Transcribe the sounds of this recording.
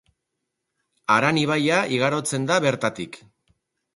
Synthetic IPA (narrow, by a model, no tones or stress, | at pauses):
aɾaniβ̞ajaʔiɣ̞aɾo̞t͡se̞nd̪aβe̞ɾt̪at̪ik